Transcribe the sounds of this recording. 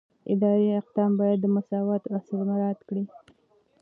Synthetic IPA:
ɪ̰d̪ɑɾiaq̚d̪ɑmbɑjad̪ːəmʊsɑwat̪asəlmaɾɑt̪kɽi

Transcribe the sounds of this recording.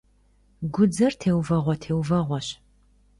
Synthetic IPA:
ɡʷʊd͡zɐrtʰeːwvɐʁʷɔtʰeːwvɐʁʷɔɕ

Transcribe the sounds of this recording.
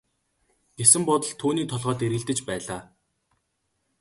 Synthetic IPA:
ɡ̥esɘ̆mpɔt̪ɞ̆ɮt̪ʰːuːniːkt̪ʰɔɮʁɔːt̪eɾɣɘ̆ɮt̪ɘ̆t͡ɕpæːɮaː

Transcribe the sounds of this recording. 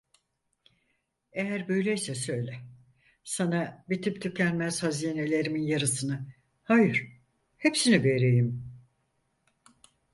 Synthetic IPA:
ejæɾbø̞jlʲejsɛsø̞jlʲɛ | sanabit̪ʰypt̪ʰycʰænmæz̥hazijene̞lʲe̞ɾiminjaɾɯsɯnɯ | hajɯɾ̥ | hepsinibeɾejim

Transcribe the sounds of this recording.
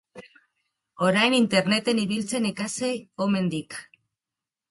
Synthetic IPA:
o̞ɾajnint̪e̞ɾne̞t̪e̞niβilt͡se̞nekaseome̞nd̪ik

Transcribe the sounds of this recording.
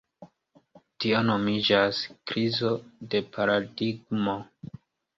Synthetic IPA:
tiono̞mid͡ʒaskɾizo̞de̞pʰaɾadiɡ̚mo̞

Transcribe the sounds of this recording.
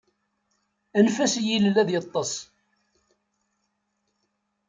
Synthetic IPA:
ænfæsjillæðjət̪ˤːɑsˤ

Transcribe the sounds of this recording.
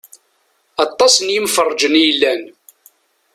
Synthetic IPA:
ɑt̪ˤːɑsənjəmfərˤːd͡ʒənjəlːæn

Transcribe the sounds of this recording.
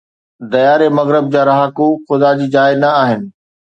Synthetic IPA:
d̪ɐjaːɾemɐɣɾɪb̚d͡ʑaːɾɐɦakuxʊd̪ad͡ʑiːd͡ʑaːɪnɐaːɦɪnɪ̆

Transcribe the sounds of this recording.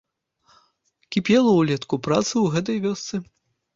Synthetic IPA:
kʲipʲɛlˠɐwlʲɛt̪kupɾat̪sɨwɣɛt̪̬ɐjvʲɔst̪sɨ

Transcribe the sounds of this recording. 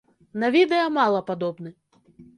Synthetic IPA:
nɐvʲid̪ɛjɐmalˠɐpad̪ɔbnɨ

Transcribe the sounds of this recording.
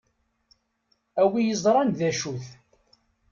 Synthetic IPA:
æwijəzˤɾˤɑnðæʃuθ

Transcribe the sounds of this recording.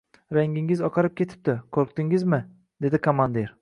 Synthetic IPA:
ɾaŋʲɪŋɪzɒqʰɑɾɪp̚kʲʰe̞t̪ʰɪ̥p̚t̪ɪkʰoɾqt̪ɪŋɪzmɪ | d̪e̞d̪ɪkʰomand̪eɾ

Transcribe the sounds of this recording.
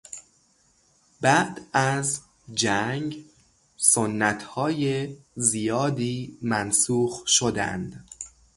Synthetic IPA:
bæd̪æz | d͡ʒæŋɡ | sonːæt̪ʰhɒːjezijɒːd̪iːmænsuːxʃod̪æ̰nd̪̥

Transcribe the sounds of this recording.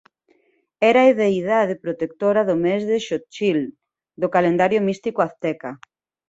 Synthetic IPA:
ɛɾaeðejðaðepɾot̪ek̚t̪oɾɐðʊmɛzðeʃot͡ʃil | d̪okalend̪aɾjʊmist̪ikʊaθt̪ɛka

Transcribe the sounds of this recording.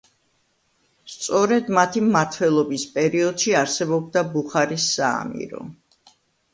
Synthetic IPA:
st̪sʼɔɾɛd̪mat̪ʰimːaɾt̪ʰwɛlˠɔbispʼɛɾiɔd̪̥ʃiaɾsɛbɔb̚d̪abuχaɾisːaa̰mḭɾɔ̰

